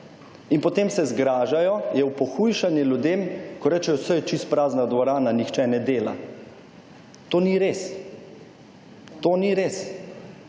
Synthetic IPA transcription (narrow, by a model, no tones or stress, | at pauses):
inpɔt̪eːmsɛzɡɾaːʒajɔjɛwpɔxujʃanjɛljud̪eːmkɔɾɛt͡ʃɛjɔsəjɛt͡ʃist̪̚pɾaːznad̪ʋɔɾaːnanixt͡ʃɛnɛd̪eːla̰ | t̪oːniɾeːs | t̪oːniɾeːs